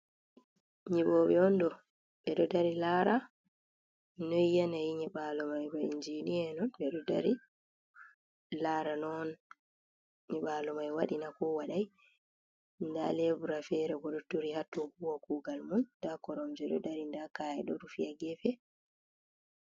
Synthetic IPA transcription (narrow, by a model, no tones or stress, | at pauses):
ɲiɓɔɓɛɔndɔ | ɓɛɗɔdaɾilaːɾa | nɔijanajiɲɛɓalɔmajbaind͡ʒiniɛnɔnɓɛɗɔda̰ɾi | laɾanɔn | ɲɛɓaːlɔmajwaɗinakɔwaɗaj | nda̰lɛbuɾafɛɾɛɡɔɗɔtuɾihatːɔhuwakuːɡalmundakɔɾɔmd͡ʒɛɗɔ̰daɾindakaːjɛɗɔɾufijaɡɛfɛ